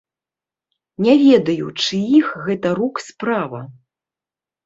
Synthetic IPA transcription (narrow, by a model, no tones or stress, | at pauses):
nʲɛvʲɛd̪ɐjṵt͡ʂɨixɣɛt̪ɐɾukspɾavɐ